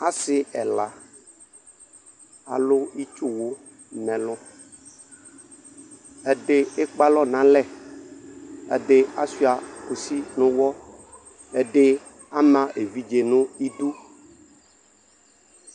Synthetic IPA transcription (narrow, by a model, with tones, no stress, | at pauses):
a˦sɪ˨ɛ˨la˨ | a̰˨lo˦i˦t͡ʃu˦wo˦ | mɛ̃˨lɔ̃˦ | ɛ˨ɖe˦e˦k͡pa˦lɔ˦nã˦lɛ˦˨ | ɛ̰˨ɖe˦a˦si˦a˨ku˨si˦nũ˦wɔ˦ | ɛ˨ɖe˦ | a˦mã˨ʔe˨vi˦d͡ʒe˨nũ˦i˦ɖu˦